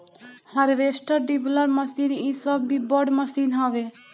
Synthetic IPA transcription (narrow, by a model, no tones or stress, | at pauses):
hɐɾʋeːsʈəɾɖibləɾməsiːniːsəbːiːbɔɽməsiːnɦɔːʋe